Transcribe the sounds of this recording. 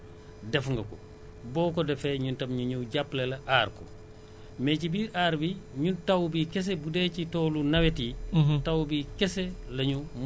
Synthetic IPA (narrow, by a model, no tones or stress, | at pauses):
dɛfŋɡɐkɔ̰ | bɔːkɔdɛfɛɲuntɐmɲuɲuwɟaplelɐʔaːɾkɔ̰ | mɛcibiːɾʔaːɾbiɲuntawbikɛs̬ɛbudɛcitɔːlunɐwetitawbikɛsɛlɐɲum